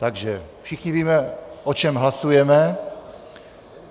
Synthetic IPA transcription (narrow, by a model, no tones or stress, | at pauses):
t̪aɡʒɛfʃɪxɲiviːmɛʔot͡ʃɛmɦlasujɛmɛ